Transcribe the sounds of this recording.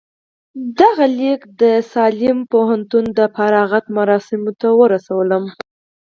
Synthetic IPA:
d̪aɣalikd̪əsɑlɪmpoɦant̪und̪əfaɾɑɣat̪maɾɑsɪmot̪awəɾasawələm

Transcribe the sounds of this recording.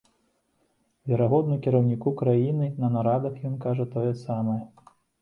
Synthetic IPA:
vʲɛɾaɣɔd̪nukʲiɾɐwnʲikukɾajinɨnɐnaɾad̪ɐxjɔnkaʐɐt̪ɔjɛsamɐjɐ

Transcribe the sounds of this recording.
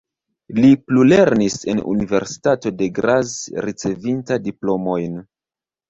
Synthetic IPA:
liplule̞ɾnise̞̰nṵnive̞̰ɾsi̥tato̞de̞ɡɾazɾit͡se̞vintadiplo̞mo̞jn

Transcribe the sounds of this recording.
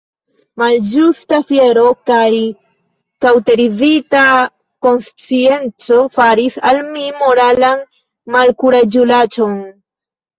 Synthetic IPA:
mald͡ʒustafje̞ɾo̞kaj | kawte̞ɾizita | ko̞nst͡sie̞nt͡so̞faɾisalmimo̞ɾalan | malkuɾad͡ʒulat͡ʃo̞n

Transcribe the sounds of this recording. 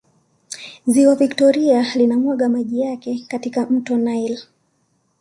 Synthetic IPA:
ziwaviktɔɾialinamwaɠamaʄijakɛkatikam̩tɔnajl

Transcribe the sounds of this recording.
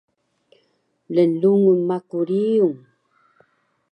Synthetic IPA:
ləluŋunmakuɾiuŋ

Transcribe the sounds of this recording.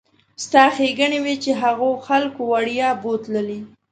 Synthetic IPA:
st̪ɑxeɡəɳewet͡ʃeɦaɣoxalkowaɽjɑbot̪ləli

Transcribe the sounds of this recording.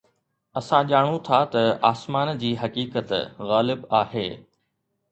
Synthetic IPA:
ɐsãʄaːɽ̃ũt̪ʰat̪ɐaːsmaːnd͡ʑiːɦɐkiːkət̪ɣaːlɪbaːɦḛː

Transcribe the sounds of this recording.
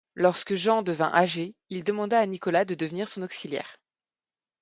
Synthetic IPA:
lɔʁskəʒɑ̃d̪əvɛ̰̃ʔaʒeild̪əmɑ̃d̪aːnikɔlad̪əd̪əvniʁsɔ̃nɔksiljɛ̰ːʁ

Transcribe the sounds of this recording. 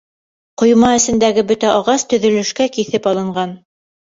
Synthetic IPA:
qŏjmɑɘ̆sɘ̆nd̪æɡɘbɵt̪æʔɑʁɑst̪ɵ̆ðɵ̆lɵ̆ʃkækiθɘpɑlˠɤ̆ɴɢɑn

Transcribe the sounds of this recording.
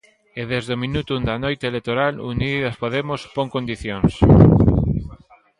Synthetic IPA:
eðezðomĩnut̪und̪ɐnojt̪elek̚t̪oɾaluniðɐspoðemʊspoŋkond̪iθjoŋs

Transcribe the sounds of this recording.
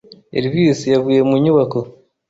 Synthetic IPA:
ḛɾiβisijaβuːjemuɲuβako

